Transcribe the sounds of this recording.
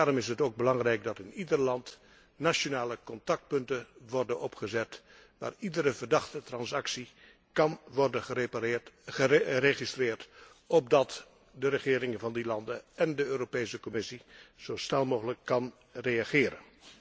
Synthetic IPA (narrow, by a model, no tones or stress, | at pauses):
daːrɔmɪsɦətowɡ̚bəlɑŋrɛjkdɑtɪnidəɹlɑnt | naʃonaːləkɔntɑk̚t̚pɵntəʋɔɹdənɔpχəzɛt | ʋa̰ːridəɾəvəɹdɑχtətrɑnsɑksi | kɑnʋɔɹdəə | əreχistrɪːɹt | ɔb̚dɑt | dəɾəχɪːɾɪŋəvɑndilɑndəɛndəøːropejsəkɔmɪsiz̥owsnɛlˠmowɣələkːɑn | rejaχɪːɾə̰n